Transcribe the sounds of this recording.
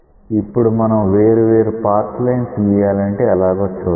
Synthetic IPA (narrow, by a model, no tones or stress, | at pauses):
ipːuɽumɐnɐmʋeːɾuʋe̞ːɾupaːɾt̪lɐjnt̪iːjaːlɐɳʈe̞ːɛlaːɡʋɐt͡ʃːu